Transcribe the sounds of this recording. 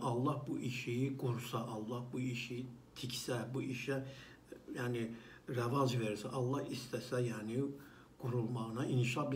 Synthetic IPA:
ʔɑlˠːɑhbuʔiʃijiɡuɾsɑʔɑlˠːɑhbuiʃijit̪ʰicʰsæbuʔiʃɛ | jæːni | ɾævɑzveɾsæʔɑlˠːɑhist̪ʰæsæjaːni | ɡ̥uɾulˠmɑɣɯnɑʔinʃɑbi

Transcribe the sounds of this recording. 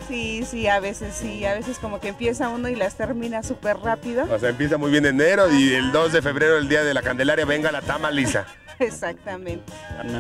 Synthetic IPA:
sisiaβe̞se̞sːiaβe̞se̞sko̞mo̞keempje̞sauno̞ilast̪e̞ɾmĩnasupe̞ɾrapiðo̞oseaempjesamujβje̞nene̞ɾo̞ield̪o̞zðe̞fe̞βɾe̞ɾo̞eld̪iaðelakand̪e̞laɾjaβe̞ŋɡalat̪amalisa̰ | esak̚t̪amẽnt̪e

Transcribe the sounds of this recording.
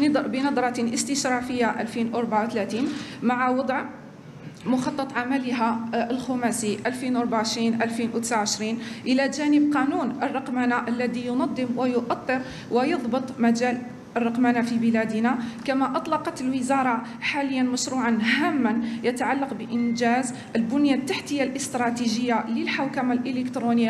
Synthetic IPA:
bənɑd̪ˤɾˤɑt̪ʔəst̪əʃɾˤɑfəjːaʔæ̰lfinʔəɾˤbʕawt̪læt̪inmaʕawɑd̪ˤʕ | mʊxɑt̪ˤːɑt̪ˤʕamæləɦæəlxumæsiʔælfinwʔɑɾˤbaaʕəʃɾinʔælfinwt̪əsʕaʕəʃɾinʔəlæʒænəbqɑnunʔərˤːɑqmanaʔəlːæd̪ijʊnɑd̪ˤːəmwəjʊʔɑt̪ˤːəɾ | wəjɑðˤbət̪ˤmæd͡ʒæl | ərːɑqmanafibəlæd̪nakæmæʔɑt̪ˤlɑqɑt̪əlwəzɑɾˤɑ | ħaləjːanməʃɾuʕɑnɦæmːænjət̪aʕalːɑqbəʔənʒæz | əlbʊnjat̪ːaħt̪əjːalʔəst̪ɾˤɑt̪iʒəjːaləlħawkamalʔələkt̪ɾunəjːa

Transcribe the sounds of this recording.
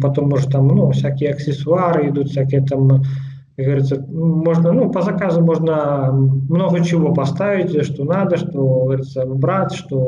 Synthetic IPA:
pat̪omuʐɛt̪amnufsʲakʲijəɐksʲɪsʊaɾɨid̪ut̪fsʲakʲijət̪am | ɡɣɐvɐɾɨt̪sə | moʐnənupɐzɐkazʊmoʐnɐ | mnoɣɐt͡ɕɪvopɐst̪avʲitʲʂt̪onad̪ɐʂt̪oɣɐvɐɾit̪səbɾat̪ʂt̪o

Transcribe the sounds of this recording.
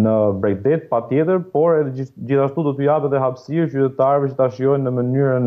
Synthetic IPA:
nəbɾɛk̚d̪ɛt̪̚pat̪jɛt̪əɾpɔɾɛðɛd͡ʑiθaʃt̪ud̪ɔt̪yapɛt̪ðɛɦapsit͡ɕyt̪ɛt̪aɾɛvɛt͡ʃət̪aʃiɔjnːəmənyɾən

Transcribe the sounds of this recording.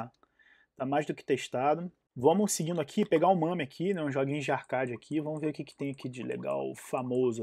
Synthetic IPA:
a | t̪amajzd̪ʊkɪ̥t̪eʃt̪ad̪ʊ | vɐ̃mʊsɪɡĩnd̪ʊakʰipeɡaʊ̃mɐ̃mɪakʰinɛũʒoɡĩʊd͡ʒɪahkad͡ʒɪakʰivɐ̃mʊveɾʊukɪkɪ̥t̪ẽj̃akid͡ʒɪlḛɡa̰wfamozʊ

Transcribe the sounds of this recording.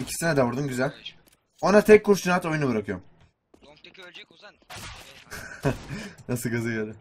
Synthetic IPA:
icʰi̥sinɛd̪ɛbuɾd̪umɟyzælʲ | o̞nat̪ʰɛc̚kʰːuɾsynat̪o̞junubɯɾakʰɯjom | nasɯɡazajad̪ɯ

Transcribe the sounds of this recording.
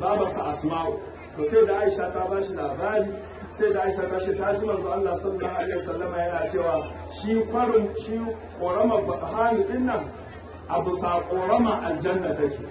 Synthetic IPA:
baːbasuʔasmaːwo | toːsajdaʔajʃatabaːʃilaːbaːɾiː | sadaʔaiʃatat͡ʃeːtad͡ʒɪmɐnzoːʔalːaːsɐnːahʔalehɛsɐlːɐmaːjɐnaːt͡ʃeːwaː | ʃikʷɐɽɪnʃiːkʷʼoːɽɐmaɡʷɐsʼɦaːnuɗɪnːɐŋ | ʔabʊsaːkʷʼoːɽɐmaʔand͡ʒɐnːatɐkʲiː

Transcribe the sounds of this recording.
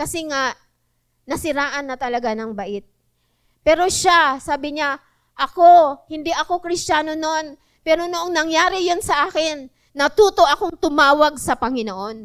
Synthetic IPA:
kɐsɛŋaʔ | nɐsɪɾaːʔɐnːɐt̪ɐlɐɡanɐŋbɐʔɪt̪̚ | pɛːɾo̞ʃasaːbɪɲa | ʔɐko̞hɪnd̪iʔɐko̞kɾɪst͡ʃaːno̞no̞n | pɛːɾo̞noʔoŋnɐŋjaːɾɪjonsɐʔaːkɪnː | ɐt̪uːt̪o̞ʔɐko̞ŋt̪ʊmaːwɐɡ̚sɐpɐŋɪnoʔo̞n

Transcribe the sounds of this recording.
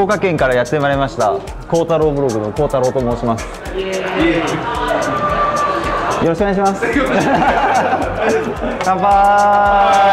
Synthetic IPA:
oːkakẽ̞ŋkaɾajat̪ːe̞maɾe̞maɕi̥t̪a | ko̞ːt̪aɾo̞ːbɯ̟ɾo̞ɡɯ̟no̞ko̞ːt̪aɾo̞ːt̪omo̞ːɕimasɨ̥ | jo̞ɾoɕikoneaɕimas | kãmpa

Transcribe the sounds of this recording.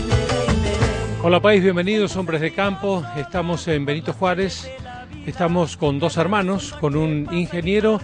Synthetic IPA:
olapajzβje̞mbe̞nið̞oso̞mbɾezðekampoest̪amosembe̞nit̪o̞xwaɾes | est̪amoskond̪o̞seɾmãnosko̞nuniŋxe̞njeɾo

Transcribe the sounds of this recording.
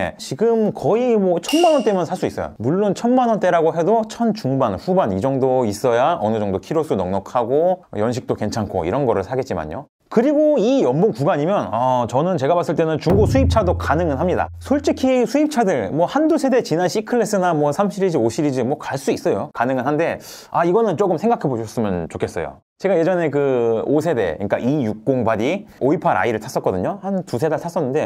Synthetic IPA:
ḛt͡ɕiɡɯmkʌimwʌt͡ɕʰʌnmanwʌnt͈e̞mjʌnsʰas͈uis͈ʌ̰jo̰muɭːont͡ɕʰʌnmanʌnt͈e̞ɾaɡoɦe̞dot͡ɕʰʌnt͡ɕuŋbanɸubanid͡ʑʌŋdois͈ʌjaʔʌnɯd͡ʑʌŋdokʰiɾosʰunʌŋnʌkʰaɡojʌnɕʰik̚t͈oke̞nt͡ɕʰankʰo̰ḭɾʌnɡʌɾɯɭsʰaɡet̚t͡ɕ͈ima̰ɲjo̰ | kɯɾiɡoijʌmboŋkuɡaɲimjʌnʌt͡ɕʌnɯnt͡ɕe̞ɡapas͈ɯɭt͈e̞nɯnt͡ɕuŋɡusʰuip̚t͡ɕʰadokanɯŋɯnɦamɲida̰sʰoɭt͡ɕ͈ikʰisʰuip̚t͡ɕʰadɯɭmwʌhandusʰe̞de̞t͡ɕinanɕʰikʰɯɭːe̞s͈ɯnamwʌsʰamɕʰiɾid͡ʑioɕʰiɾid͡ʑimwʌkaɭs͈uis͈ʌjokanɯŋɯnɦande̞ | aiɡʌnɯnt͡ɕokɯmsʰe̞ŋɡakʰeboɕʰʌs͈ɯmɯnt͡ɕokʰe̞s͈ʌ̰jo̰ | t͡ɕe̞ɡaje̞d͡ʑʌne̞kɯosʰe̞de̞̰ɲik͈a̰ʔijuk̚k͈oŋbadioipʰaɾa̰iɾɯɭtʰas͈ʌt̚k͈ʌdɯɲohantusʰe̞datʰas͈ʌnːɯnde̞

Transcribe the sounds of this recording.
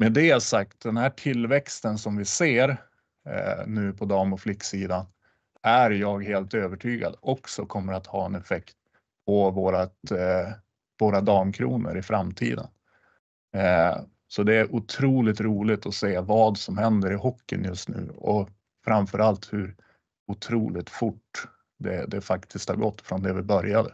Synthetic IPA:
mɛd̪ɛasak̚t̪̚d̪ɛnhæːʈʰɪlvɛkst̪ənsɔmvɪseːɾ | nʉ̟ːpʰɔd̪ɑːmɔflɪkːsiːd̪an | æɾjɑːɡɦeːlt̪øːvəʈʰyːɡa̰d̪ɔksɔkʰɔmːəɾat̪hɑːɛnɛfɛkt̪̚ | pʰɔvoːɾat̪ | voːɾad̪ɑːmkʰɾṵːnə̰ɾɪfɾamt̪ʰḭːd̪ə̰n | sɔd̪ɛæɾʔʊt̪ʰɾuːlɪt̪ɾuːlɪt̪ɔseːvɑːd̪sɔmhɛnd̪əɾɪhɔkːə̰njɵst̪nʉ̟̰ːɔ̰ | fɾamfœɾʔalt̪hɵɾ | ʊt̪ʰɾuːlɪt̪fʊʈː | d̪ɛ̰d̪ɛfakt̪ʰɪskt̪ha̰ɾɡɔt̪ːfɾɔnd̪ɛvɪbœɾjad̪ə

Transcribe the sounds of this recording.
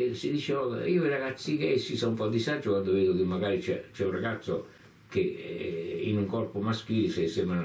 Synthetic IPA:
sid̪it͡ʃɛɔkiːoiraɡat̪sːikesːisɔumpɔd̪isad͡ʒːokwand̪oveːd̪okemːaɡaːɾit͡ʃɛt͡ʃɛunraɡat̪sːo | ke | ḭnuŋkɔrpomask̟iːlsɛsem

